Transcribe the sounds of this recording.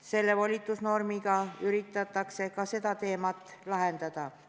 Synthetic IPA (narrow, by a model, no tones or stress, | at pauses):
se̞lːe̞volʲit̪ːˑusno̞rmiɡɑyɾit̪ːˑɑt̪ːˑɑkse̞kɑse̞d̪ɑt̪e̞ːmɑt̪ːˑlɑɦend̪̥ɑd̪̥ɑ